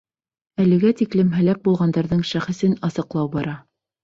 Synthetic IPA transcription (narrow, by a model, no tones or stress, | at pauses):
ælɘ̆ɡæt̪iklɘmɦæ̆læk̚bulˠʁɑnd̪ɑɾðɤɴʃæχɘ̆sɘnɑsɤ̆qlˠɑwbɑɾɑ